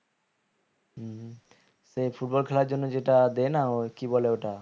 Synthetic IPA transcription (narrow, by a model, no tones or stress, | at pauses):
sepʰuʈ̚bɔlkʰɛlaɾd͡ʒonːod͡ʑeʈad̪enaokibɔleoʈa